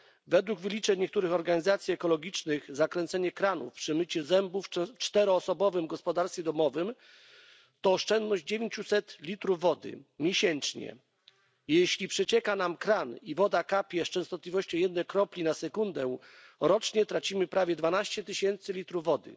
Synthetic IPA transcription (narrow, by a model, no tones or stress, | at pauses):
vɛd̪wuɡvɘlʲit͡ʂɛɲɲːɛk̚t̪uɾɘxɔɾɡaɲizat̪sʲjiɛkɔlɔɡʲit͡ʂnɘɣzakɾɛnt̪sɛɲɛkɾanṵfpʂɛmɘt͡ɕɛzɛmbufft͡ʂt̪ɛɾɔːsɔbɔvɘmɡɔspɔd̪aɾst̪fʲɛd̪ɔmɔvɘm | t̪ɔːʂt͡ʂɛnd̪nɔʑd͡ʑd͡ʑevʲeɲt͡ɕusɛt̪lʲit̪ɾuvːɔd̪ɘ̰mʲjeɕɛnt͡ʂɲɛ̰ | jɛɕlʲipʂɛt͡ɕɛkanamkɾanivɔd̪akapʲjɛst͡ʂɛ̃w̃st̪ɔt̪lʲivɔɕt͡ɕɔ̃w̃jɛd̪nɛjkɾɔplʲinasɛkund̪ɛɾɔt͡ʂɲɛt̪ɾat͡ɕimɘpɾavʲjɛd̪vanaɕt͡ɕɛt̪ɘɕɛnt̪sɘlʲit̪ɾuvːɔd̪ɘ̰